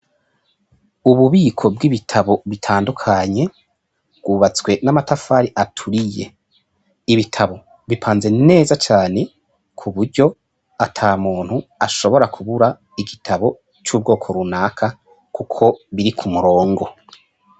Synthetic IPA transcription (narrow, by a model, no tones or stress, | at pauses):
uβuβiːkʰo̞b̚ɡiβitʰaβo̞βitʰaːndukʰaɲe̞ | bɡwuːβat͡swe̞namatafaːɾiʔatʰuɾije̞ | iβitʰaβo̞ | βipʰaːnze̞ne̞ːzat͡ʃaːne̞ | kʰuβuɾɟo̞ | atʰaːmuːn̥huaʃo̞βo̞ɾakʰuβuɾa | iɡitʰaβo̞ | t͡ʃuːb̚ɡo̞ːkʰo̞ɾunaːkʰa | kukʰo̞βiɾikʰumuɾo̞ːŋɡo̞